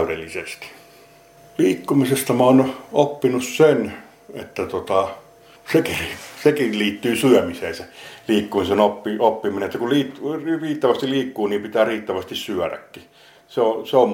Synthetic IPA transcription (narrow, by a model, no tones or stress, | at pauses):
yɾḛlːisest̪i̥ | liːkːumisest̪ɑmɑˑːnopːinussen | et̪ːæt̪ot̪ɑ | sekisekiliːt̪ːyːsyœmiseːnseliːkːumisenopːiopːimineet̪ːækuliːtrriːt̪ːæʋæst̪iliːkːuːniːmpit̪æːriːt̪ːæʋæst̪issyæɾæ̰kːi | seoseom